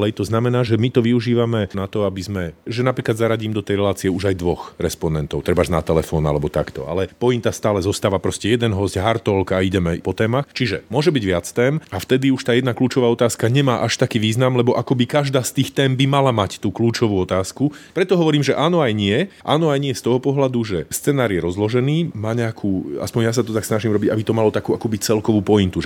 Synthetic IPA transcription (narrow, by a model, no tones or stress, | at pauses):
lɛjt̪ɔznamɛnaːʒɛmit̪ɔʋiuʒiːʋamɛnat̪ɔabizmɛʒɛnapɾiːklad̪zaɾaɟiːmd̪ɔt̪ɛjɾɛlaːt͡siɛuʒajd̪ʋɔxɾɛspɔnɛnt̪ɔʊt̪ɾɛbaʒna̰t̪ɛlɛfɔːna̰lɛbɔt̪a̰kt̪ɔ̰a̰lɛpɔint̪ast̪aːlɛzɔst̪aːʋapɾɔscɛjɛd̪ɛnɦɔzɟɦaɾt̪ɔlkaiɟɛmɛpɔt̪ɛːmaxt͡ʃiʒɛ̰mʊɔʒɛbiɟʋɪat͡st̪ɛːmaft̪ɛd̪iuʃt̪aːjɛd̪nakluːt͡ʃɔʋaːɔt̪aːskaɲɛmaːʔaʃt̪akiːʋiːznamlɛbɔʔakɔbikaʒd̪aːst̪iːxt̪ɛːmbimalamact̪uːkluːt͡ʃɔʋuːɔt̪aːskupɾɛt̪ɔɦɔʋɔɾiːmʒɛʔaːnɔajɲɪɛʔa̰ːnɔajɲɪɛst̪ɔɦɔpɔɦlad̪uʒɛst͡sɛnaːɾjɛɾɔzlɔʒɛniːmaːɲɛakʰuːa̰spɔɲjas̬at̪ɔt̪aksnaʒiːmɾɔbiɟabit̪ɔmalɔt̪akuːakuːbic̚t͡sɛlkɔʋuːpɔint̪uʒɛ